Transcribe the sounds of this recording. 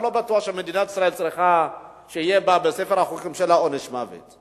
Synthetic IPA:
lɔbatwaʃɛmedinati̥sɾaɛlt͡sʼɾɛxa | ʃɛjɛbabɛsɛfɛɾaxukimʃɛlaɔnɛʃma̰vɛ̰t͡s

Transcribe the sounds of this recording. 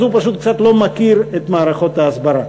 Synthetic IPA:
zupaʃut̪kt͡sat̪lo̞makiɾet̪maːɾaχo̞t̪aːsbaɾa

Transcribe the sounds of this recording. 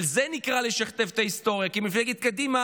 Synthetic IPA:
lzenikʁaleʃaχt̪evt̪aist̪o̞ʁjakimifleked̪̚kad̪ima

